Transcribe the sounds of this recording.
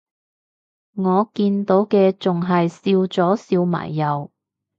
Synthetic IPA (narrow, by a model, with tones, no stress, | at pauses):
ŋɔː˨˧kiː˧nt̪o˨˥wkɛː˧t͡sʊ˨ŋɦɐ˨jsiː˧wt͡sɔː˨˥siː˧wma̰ː˨˩jːɐ˨˧w